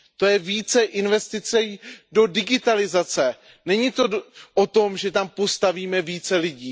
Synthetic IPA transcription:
t̪o̞jɛviːt͡sɛʔɪnvɛst̪ɪt͡sɛdo̞dɪɡɪt̪alɪzat͡sɛ | nɛɲit̪o̞ʔot̪o̞mʒɛt̪ampo̞st̪aviːmɛviːt͡sɛlɪɟiː

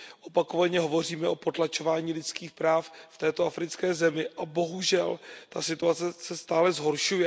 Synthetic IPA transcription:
ʔo̞pako̞vaɲɛɦo̞vo̞r̝iːmɛʔo̞po̞t̪lat͡ʃo̞vaːɲiːlɪt͡skiːxpɾaːfft̪ɛːt̪oafɾɪt͡skɛːzɛmɪʔabo̞ɦuʒɛlt̪asɪt̪uat͡sɛsɛst̪aːlɛzɦo̞ɾʃujɛ

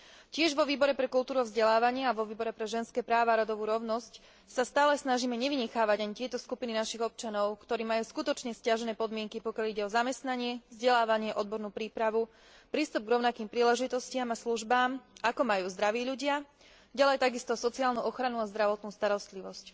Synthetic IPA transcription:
cɪɛʒʋɔʋiːbɔɾɛpɾɛkult̪uːɾuavzɟɛlaːʋaɲɪaaʋɔʋiːbɔɾɛpɾɛʒɛnskɛːpɾaːʋaːɾɔd̪ɔʋuːɾɔʊnɔsc | sast̪aːlɛsnaʒiːmɛɲɛʋiɲɛxaːʋaɟaɲit̪ɪɛt̪ɔskupininaʃiɣɔp̚t͡ʃanɔʊkt̪ɔɾiːmajuːskut̪ɔt͡ʃɲɛscaʒɛnɛːpɔd̪mɪɛŋkipɔkjaliɟɛɔzamɛst̪naɲɪɛvzɟɛlaːʋaɲɪɛʔɔd̪bɔɾnuːpɾiːpɾaʋu | pɾiːst̪ub̚ɡɾɔʊnakiːmpɾiːlɛʒit̪ɔscɪamasluʒbaːmakɔmajuːzd̪ɾaʋiːʎuɟɪa | ɟalɛjt̪aɡist̪ɔsɔt͡siaːlnuʔɔxɾanuazd̪ɾaʋɔt̪nuːst̪aɾɔst̪liʋɔsc

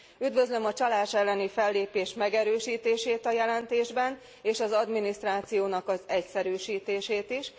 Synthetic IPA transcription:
yd̪vø̞zlø̞mɒt͡ʃɒlaːʃɛlːɛnifɛlːeːpeːʃmɛɡɛɾøːʃiːt̪eːʃeːt̪ɒjɛlɛnt̪eːʒbɛn | eːʃɒzɒd̪minist̪raːt̪sijoːnɒkɒzɛcsɛɾyːʃiːt̪eːʃeːt̪iʃ

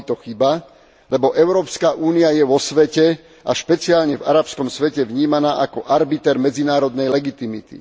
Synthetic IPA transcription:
t̪ɔxiba | lɛbɔʔɛʊɾɔːpskaʔuːniajɛʋɔsʋɛcɛ | aʃpɛt͡sɪaːlɲɛvaɾapskɔmsʋɛcɛʋɲiːmanaːʔakɔʔaɾbit̪ɛɾmɛd͡zinaːɾɔd̪nɛjlɛɡit̪imḭt̪ḭ

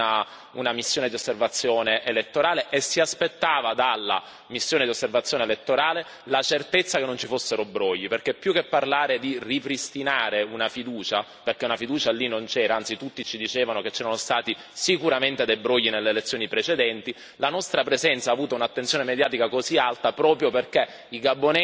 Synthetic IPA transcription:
a | unamisːjoːned̪iosːervat̪sːjoːneʔelet̪ːoɾaːleʔesːiaspet̪ːaːvad̪alːa̰ | misːjoːned̪iosːervat̪sːjoːnelet̪ːoɾaːle | lat͡ʃert̪et̪sːakenːont͡ʃifosːeɾobɾɔjːiperkepːjukːepːarlaːɾed̪iripɾist̪inaːɾeunafid̪uːt͡ʃa | perk̟eunafid̪uːt͡ʃalinːont͡ʃɛːɾaant̪sit̪ut̪ːit͡ʃid̪it͡ʃeːvanoket͡ʃːɛːɾanost̪aːt̪i | sikuɾament̪ed̪ejbɾɔjːinelːeːlet̪sːjoːnipɾet͡ʃed̪ɛnt̪i | lanɔst̪ɾapɾezɛnt̪saːvuːt̪aunat̪ːent̪sjoːnemed̪jaːt̪ikakozialt̪apɾɔːpɾjoperke | iɡabːonɛ

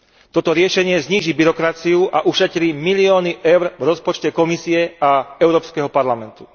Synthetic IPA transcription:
t̪ɔt̪ɔɾɪɛʃɛɲɪɛzɲiːʒibiɾɔkɾat͡siuʔaʔuʃɛc̪ɾiːmiliɔːniʔɛʊɾvɾɔspɔt͡ʃcɛkɔmisiɛaɛʊɾɔːpskɛɦɔpaɾlamɛnt̪u̥

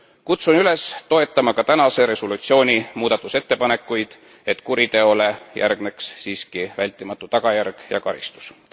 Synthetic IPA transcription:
kut̪sunyle̞st̪oe̞t̪ːˑɑmɑkɑt̪ænɑse̞ɾe̞solut̪sio̞ːnʲimuːd̪̥ɑt̪ːˑuse̞t̪ːe̞pɑne̞kːˑujd̪̥ | e̞t̪ːˑkuɾit̪e̞o̞le̞jʔæ̰rɡ̥ne̞ksːiːskivælʲt̪ːˑimɑt̪ːˑut̪ɑɡ̥ɑjærɡ̥jɑ̰kɑɾḭst̪u̥s

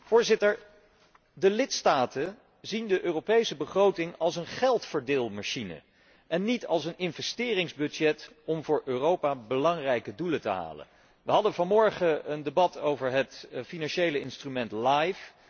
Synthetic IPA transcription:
v̥ʊːɹzɪtəɹ | dəlɪtstaːtə | zindəʔøːropejsəbəχrowtɪŋɑlˠsənχɛlˠtfəɹdɪːlˠmaʃinə̰ | ʔɛnːitɑlˠsənɪnvɛstɪːrɪŋzbɵd͡ʒɛt | ɔmvʊːɹʔøːrowpaːbəlɑŋrɛjkədulətəɦa̰ːlə̰n | ʋəɦɑdənvɑnmɔɹχəəndebɑtʰowvəɹɦətfinɑnʃejləɪnstrymɛntlajf

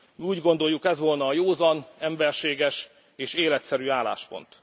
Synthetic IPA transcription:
miuːɟɡo̞n̪d̪o̞jːukɛzʋo̞lnɒːjoːzɒnɛmbɛrʃeːɡɛʃ | eːʃeːlɛt̪sɛɾyːaːla̰ːʃpo̞̰nt̪

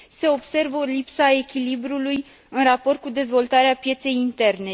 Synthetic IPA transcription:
se̞o̞bse̞rvəolipsae̞kʲilibɾuluj | ɨnrapo̞rt̪̚kud̪e̞zvo̞lt̪aɾeapje̞t̪se̞jint̪e̞rne̞

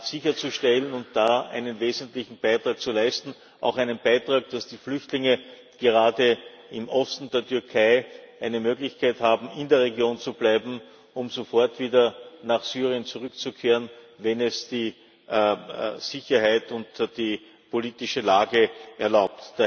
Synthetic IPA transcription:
sɪçɐt͡suʃtɛlənʊntd̥aːæ̰ɪnənveːzəntlɪçn̩b̥æɪtʁaːk̚t͡sulæɪstn̩ | ʔa̰ʊxæɪnənb̥aɪtʁ̥aːk̚d̥asd̥iːflʏçtlɪŋə | ɡ̥eʁaːdə | ɪmʔɔstn̩deːɐtʰʏɐkʰaɪʔæɪnəmøːɡlɪçkʰaɪthaːbm̩ɪndeːɐʁeɡjoːnt͡sub̥læɪbm̩ | ʊmzofɔɐtv̥iːdɐnaχsyːʁiənt͡sʊʁʏkt͡sukʰeːʁən | vɛnɛsd̥iː | z̥ɪçɐhaɪtʊntd̥iː | pʰoliːtɪʃəlaːɡəʔɛɐlaʊp̚td̥

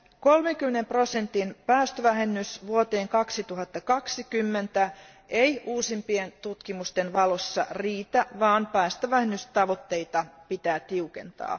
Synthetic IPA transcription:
ko̞lmeŋkymːenempro̞sent̪inpæːst̪øʋæɦenːysʋuot̪e̞ːŋkɑksit̪uɦɑt̪ːɑkɑksikymːent̪æ | ejʔuːsimpient̪ut̪kimust̪enʋɑlo̞sːɑ̰riːt̪æʋɑːmpæːst̪øʋæhenːyst̪ɑʋot̪ːe̞it̪ɑpit̪æːt̪iukḛnt̪ɑ̰ː

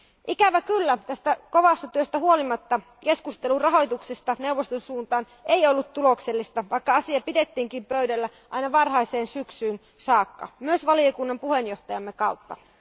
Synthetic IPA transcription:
ʔikæʋækylːæt̪æst̪æko̞ʋɑst̪ɑt̪yøst̪æhuo̞limɑt̪ːɑ | ke̞skust̪e̞lurɑɦo̞jt̪uksest̪ɑne̞wʋost̪onsuːnt̪ɑːn | eiolːut̪tulo̞kselːist̪ɑʋɑikːɑɑsiɑpide̞t̪ːiːŋkimpøydælːæ | ʔɑ̰inɑʋɑrɦɑjseːnsyksyːn | sɑːkːɑ̰myøsʋɑliokunːɑmpuhe̞njo̞ht̪ɑjɑmːekɑwt̪ːɑ̰

